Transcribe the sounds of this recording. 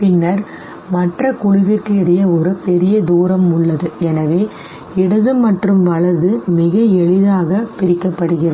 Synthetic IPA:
pɪnːɐɾ | mɐʈrɐkʊɻʊʋɪrkɯɛɽɐjɐɔɾɯpɛɾɪjɐd̪uːɾɐmʊɭːɐðɯɛnɐʋeː | ɪɽɐðɯmɐʈrɯmʋɐɭɐɾðɯmɪɣɐɛɭɪðaːɣɐpɪɾɪkːɐpːɐɽɯɣɪrɐð

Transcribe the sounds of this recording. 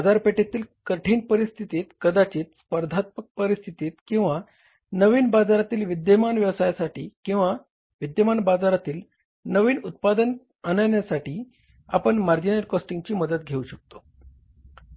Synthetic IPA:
bad͡zaɾpeʈat̪iːlkəʈʰiːnpəɾist̪ʰit̪it̪kəd̪at͡ɕiːt̪spəɾd̪ʱat̪̚mək̚pəɾist̪ʰit̪it̪kĩw̃ʋa | nəʋiːnbad͡zaɾat̪iːlʋid̪jəmanʋjəʋsajasaʈiːkĩw̃ʋa | ʋid̪jəmanbad͡zaɾat̪iːl | nəʋiːnut̪̚pad̪ən | ənəjɳjasaʈiː | apəɳmaɾd͡ʑinəɾkɔsʈiŋɡt͡ɕiːməd̪ət̪̚ɡʱeuɕək̚t̪o

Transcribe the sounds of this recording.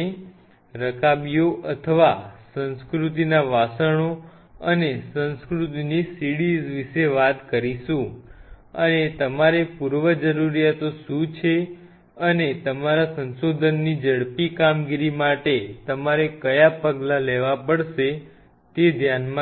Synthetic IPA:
e | ɾəkabijoʔət̪ʰəʋasə̃nskɾut̪̬inaʋasəɽ̃o | ənesə̃nskɾut̪̬inisiɽizʋiʃeʋat̪kəɾiʃũ | ənet̪əmaɾepuɾʋəd͡ʒəɾuɾijat̪oʃũt͡ʃʰe | ənet̪əmaɾasə̃nsod̪ʱənːid͡ʒəɽpikamɡiɾimaʈet̪əmaɾekəjapəɡlaleʋapəɽʃe | t̪ed̪ʱjanmã

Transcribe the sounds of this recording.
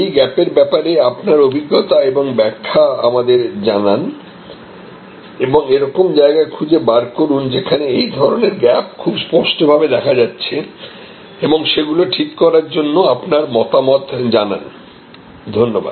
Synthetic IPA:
ejɡɛpeɾbɛpaɾeapnaɾobʱiɡːot̪aeboŋbɛkʰːaa̰mad̪eɾd͡ʑanan | eboŋeɾɔkomd͡ʑaeɡaekʰud͡ʑebaɾkoɾund͡ʑekʰaneejd̪ʱɔɾoneɾɡɛp̚kʰubspɔɾʃʈobʱabed̪ɛkʰad͡ʑatːɕʰe | eboŋʃeɡuloʈʰikːɔɾaɾd͡ʑonːoapnaɾmɔt̪amɔt̪ʰd͡ʑana̰n | d̪ʱonːoba̰d̪

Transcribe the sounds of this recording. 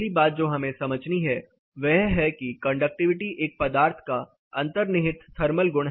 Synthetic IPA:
ibaːt̪̚d͡ʒoːɦɐmẽsɐməd͡ʒniɦɛ | ʋɛɦɦɛkikɐ̃ɳɖək̚ʈɪʋɪʈiʔeːk̚pɐd̪aːɾt̪ʰka | ɐ̃nt̪əɾnɪɦɪt̪t̪ʰɐɾməlɡʊɽɦ

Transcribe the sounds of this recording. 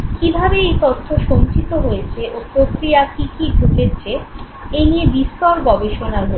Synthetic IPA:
kibʱabeejt̪ot̪ʰːoʃoŋt͡ɕit̪oɦojet͡ɕʰeʔopɾokɾijakikiɖʱuket͡ɕʰe | eniebist̪ɔɾɡɔbeʃonaɦo

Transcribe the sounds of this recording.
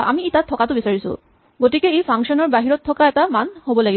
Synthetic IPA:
ʔa̰mietat̪ʰɔkatʊbisaɹisṵ | ɡotikɛepʰaŋʃɔnɔɹbaɦiɹɔt̪ʰːɔkaɛtamanhobɔlaɡi

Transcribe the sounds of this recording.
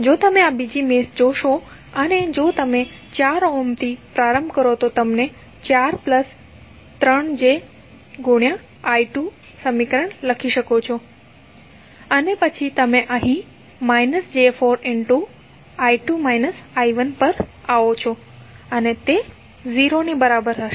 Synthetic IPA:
d͡ʒot̪əmẽabid͡ʒimesd͡ʒoʃo | əned͡ʒot̪əmẽ | t͡ʃaɾomt̪ʰipɾaɾəmbʱkəɾot̪ot̪əmne | t͡ʃaɾpləs | t̪ɾəɳd͡ʒe | ɡuɳjã | aiʈu | səmikɾəɳləkʰiʃəkot͡ʃʰo | ənepət͡ʃʰit̪əmẽʔəɦĩ | mainəsd͡ʒefoɾɪɳʈu | aiʈumajnəsaiʋənpəɾaʋot͡ʃʰo | ənet̪e | ziɾonibəɾabəɾɦəʃ

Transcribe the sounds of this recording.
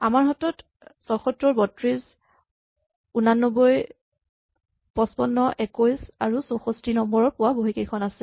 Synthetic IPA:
amaɹɦɔtɔt | sɔxɔtɹɔɹbɔtɹiz | unanːɔbɔj | pɔspɔnːɔʔɛkojsaɹusɔxɔstinɔmbɔɹɔɹpʊwaboɦikekʰɔnasɛ

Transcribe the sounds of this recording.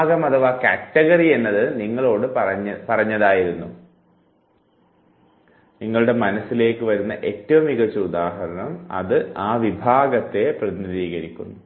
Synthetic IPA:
ɣɐmɐðɐʋaːkatːɐɣɐrie̞nːɐðɨniŋːɐɭo̞ːɽɨpɐrɐɐpɐrɐɲːɐðaːjiɾunːu | niŋːɐɭuɽe̞mɐnɐsːile̞ːkːɨʋɐɾunːɐʔe̞tːɐʋɐmiɣɐt͡ɕːɐud̪aːɦɐɾɐɳɐmɐ̰ðɨaːʋibʱaːɡɐt̪ːe̞prɐðniðiːɣɐɾikʲːunːu

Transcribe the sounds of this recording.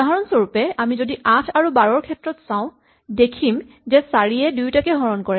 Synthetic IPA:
aɹɔnsoɹupɛamizodiʔãtʰaɹubaɹɔɹkʰɛtɹɔtsãʊ̃ | dekʰim | zɛsaɹiɛdujtakɛɦɔɹɔnkɔɹɛ

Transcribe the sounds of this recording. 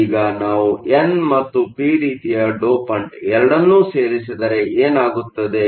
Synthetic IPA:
ɡɐnaːʋuʔenmɐt̪ːupiːɾiːt̪ijɐɖoːpɐɳɖɛɾɐɽɐnːuːse̞ːɾisid̪ɐɾe̞eːnaːɡut̪ːɐd̪e̞

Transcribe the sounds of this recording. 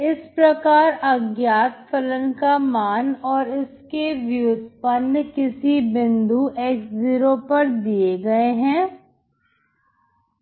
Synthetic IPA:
ɪspɾɐkaːɾɐɡjaːt̪fələnkamaːnɔːɾɪskeʋjuːd̪ʱpɐnːkɪsibɪ̃nd̪uʔeːkziːɾopɐɾd̪ieɡɐeɦɛ̃ː

